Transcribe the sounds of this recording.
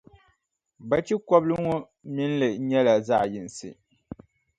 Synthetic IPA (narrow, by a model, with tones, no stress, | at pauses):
ba˦t͡ʃi˦kɔ˦blɨ˦ŋɔ˦ | mi˦n˦lɨ˨ɲɛ˦la˨za̰˦˨ji˨n˨sɨ̰˨